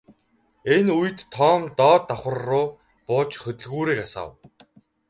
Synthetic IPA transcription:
enuj̆t̪ʰːɔːmt̪ɔːt̪ːɔχə̆rːʊː | pʊːt͡ɕxɵt̪ɵ̆ɮɣuːɾeːkasa̰w

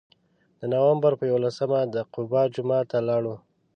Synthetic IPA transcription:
d̪̥ənawambaɾpəjawolasəmad̪əqʊbɑd͡ʒumɑt̪alɑɽu

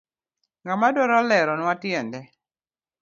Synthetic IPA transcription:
ŋɡamadɔɾɔlɛɾɔnwatɪɛndɛ

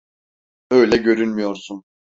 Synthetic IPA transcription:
øjlʲɛɟø̞ɾynmyjo̞ɾsun

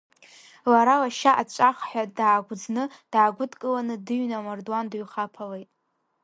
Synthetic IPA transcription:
laɾalaʃaʔat͡ʃʷʼaχħʷᶣadaːɡʷʊd͡znɨd̥aːɡʷʊdkʼɨlanɨdɨɥnamardwandɥχapʰalejtʼ

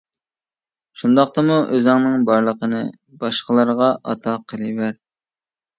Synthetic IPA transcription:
ʃund̪ɑq̚t̪ɑmuʔøzɑŋnɨŋbɑɾlˠəqənɨ̰ | b̥ɑʃqəlˠɑɾʁɑʔɑ̰t̪ʰɑqʰəlˠɨvæɾ

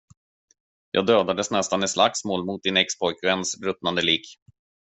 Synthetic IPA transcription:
jɑ̰ːɡd̪øːd̪ad̪əsnɛst̪anɛt̪sla̰ksmoːlmʊt̪̚d̪ɪnɛkspʰɔjkvɛnsɾɵt̪nand̪əliːk

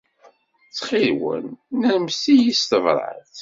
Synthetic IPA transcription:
t͡sːχɪlwə̰nːæɾmsijist̪əvɾˤə̰θ

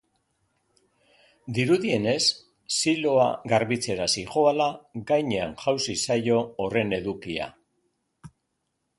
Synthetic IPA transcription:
d̪iɾuðie̞ne̞sː | ilo̞a̰ɣaɾβit͡se̞ɾasiʝo̞alaɡajɲe̞aŋʝawsisajo̞ːre̞ne̞ðukia̰

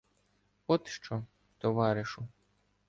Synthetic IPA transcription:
ɔt̪ʃt͡ʃɔ | t̪ɔʋɑɾɪʃʊ

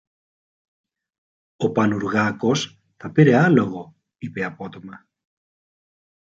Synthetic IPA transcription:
o̞pɐnuɾɣɐko̞s | θɐpiɾe̞ɐlo̞ɣo̞ | ipeɐpo̞t̪o̞mɐ

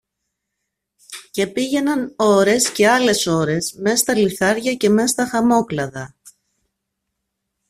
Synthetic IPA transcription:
ce̞piʝe̞nɐno̞ɾe̞sce̞ɐle̞so̞ɾe̞sme̞st̪ɐliθɐɾʝɐce̞me̞st̪ɐxɐmo̞klɐðɐ

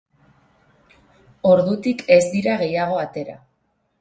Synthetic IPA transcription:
o̞ɾðut̪ike̞zd̪iɾaɣ̞e̞jaɣ̞o̞at̪e̞ɾa̰

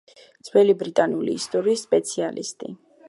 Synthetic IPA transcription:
d̪z̥wɛlibɾit̪ʼanulḭːst̪ʼɔɾiːsːpʼɛt̪sʰialḭst̪ʼi

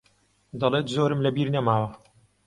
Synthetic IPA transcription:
d̪ɑlˠeːt̪zoːɾɨmlɐbiːɾnɐmaːwɐ

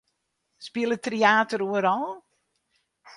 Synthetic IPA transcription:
spiəlˠətriaːtəɾuəɾɔlˠ

